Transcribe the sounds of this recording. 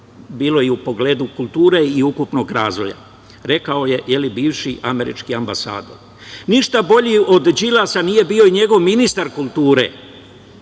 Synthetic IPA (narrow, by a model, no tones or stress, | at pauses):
biːlo̞jeupo̞ɡle̞ːd̪ukulˠt̪uːɾe̞iukupno̞ɡɾaːzʋo̞ja̰ | ɾe̞kao̞je̞je̞libiːʋʃiʔame̞ɾḭt͡ʃkiambasa̰ːd̪o̞̰ɾ | niʃt̪abo̞ʎio̞d̪d͡ʒilasanije̞biːo̞iɲe̞ɡo̞ʋminist̪aɾkulˠt̪uːɾe̞̰